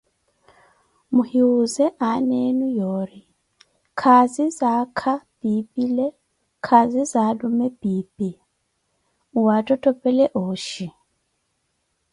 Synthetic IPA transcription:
muhiuzɛʔanɛnujɔːɾi | kʰazizakʰapipʼilɛ | kʰazizadumɛpiːpʼi | uwatʼɔtʼɔpʼɛlɛʔoːʃi

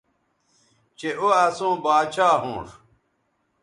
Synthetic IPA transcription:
t͡ɕeʔoɐsõːbaːt͡ɕaːɦõ̰ːʂ

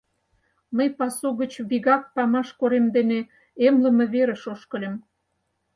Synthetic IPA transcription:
məjpɑsoɣə̆t͡ɕβiɣɑk̚pɑmɑʃkoɾemd̪ene | emlə̆mɤ̆βeɾə̆ʃoʃkə̆lʲə̆m

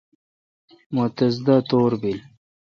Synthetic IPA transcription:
mot̪ɐzd̪at̪oːɾbil

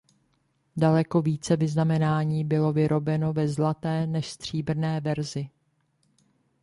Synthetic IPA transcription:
dalɛko̞viːt͡sɛvɪznamɛnaːɲiːbɪlo̞vɪɾʔo̞bɛno̞vɛzlat̪ɛːnɛʃst̪r̝̥iːbr̩nɛːvɛɾzɪ

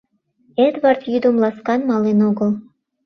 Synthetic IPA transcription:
et̪βɑrt̪jyd̪ŏmlɑskɑnmɑlenoɣə̆l

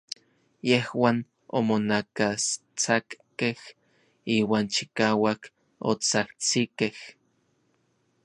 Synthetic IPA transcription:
jehwaːn | o̰monakas | t͡sakkːeh | iːwaːnt͡ʃi̥kaːwak | o̰t͡saht͡sikeh

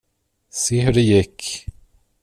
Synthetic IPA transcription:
seːɦʉɖɛjɪkː

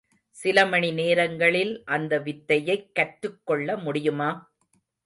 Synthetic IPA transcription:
sɪlɐmɐɳineːɾɐŋɡɐɭɪlʔɐnd̪ɐʋɪt̪ːɐjɐɪkːɐʈːɯkːɔɭːɐmʊɽɪjɯmaː

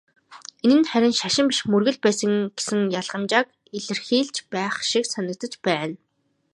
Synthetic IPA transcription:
enɘ̆nχæɾʲɪ̆nʃaʃɪ̆mpiʃmɵrɣɵ̆ɮpæːsə̆ŋɡ̥e̥sɘ̆ŋjaɮʁə̆mt͡ɕaːk | iɮɘ̆rxiːɮt͡ɕpæːχʃiksanə̆k̚t̪ə̆t͡ɕpæːn

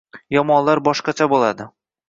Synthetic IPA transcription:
jɒmɒnlˠaɾbɒʃqɑt͡ʃʰabolˠad̪ɪ

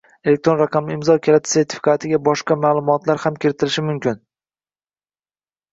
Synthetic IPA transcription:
elek̚t̪ɾo̞nɾaqʰɑmɪɪmzɒkʲʰelat̪ʰse̞ɾt̪ʰɪ̥fi̥kʰat̪ʰɪɡʲabɒʃqɑmaːlˠʊmɒt̪laɾhamkʲʰɪɾɪt̪ʰɪɾɪʃɪmʊmkʲɪn

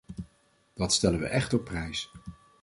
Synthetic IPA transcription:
d̥ɑtstɛləʋə̰ʔɛχtɔpːrɛjs

